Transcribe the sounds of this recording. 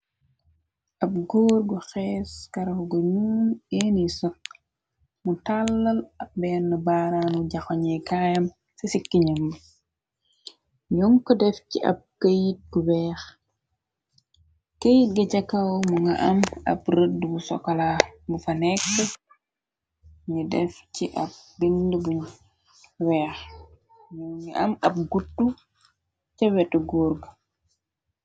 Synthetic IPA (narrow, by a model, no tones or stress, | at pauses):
ʔɐp̚ɡoːɾɡɔxɛːskɐɾɐɡɔɲuːneːnisɔk̚ | mutalːɐlɐk̚bɛnːɐbaɾanuɟɐxɔɲɛkajɐm | sɐsikːiɲɐmː | ɲɔŋkɔdɛfciʔɐ̰p̚kɐjit̚ɡubɛːx | kəjit̚ɡɐɟɐkːawmuŋɡɐʔɐmɐ̰prədːbusɔ̰kːɔlamufɐnɛkːə | ɲudɛfciʔɐp̚dindəbu | wɛːx | ɲuŋɲiʔɐmɐp̚ɡutːu | cɛwɛtuɡuːɾɡə